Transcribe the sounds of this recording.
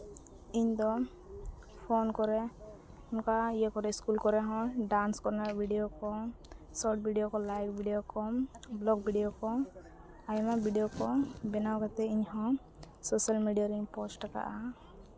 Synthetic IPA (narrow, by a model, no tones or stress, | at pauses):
iɲd̪ɔ | pʰonkɔɾɛ | ɔnkaijəkɔɾɛiskulkɔɾɛɦɔ̃ɖanskɔɾnaɾbʱiɖijokɔsɔʈ̚bʱiɖijokɔlajk̚bʱiɖijokɔblɔɡ̚bʱiɖijokɔ | ajmabʱiɖijokɔbɛnawɡat̪ɛiɲɦɔ̃ | sɔsalmiɖijaɾiɲpɔsʈaka̰ʔa